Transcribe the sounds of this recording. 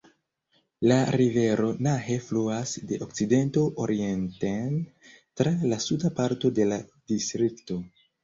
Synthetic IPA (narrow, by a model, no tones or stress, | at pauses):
laɾive̞ɾo̞naɦe̞fluasde̞ʔokt͡side̞nto̞ʔoɾie̞nten | tɾalasudapaɾto̞de̞lad̥istɾikto̞